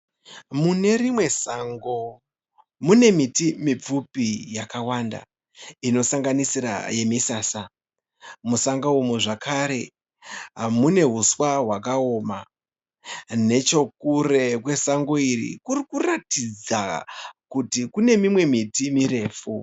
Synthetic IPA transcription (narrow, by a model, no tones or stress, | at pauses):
mune̞rimwe̞saŋɡo̞ | mune̞mitimip͡fupijakawanda̰ | ino̞saŋɡanisiɾa̰je̞misaːsa | musaŋɡaumuʐakʰaɾe̞ | ɦamune̞ɦuswaɦwakao̞ːma | ne̞t͡ʃo̞k̚ure̞kwe̞saŋɡo̞irḭkurikuratid͡za̰kutikune̞mimwe̞mitimire̞ːfu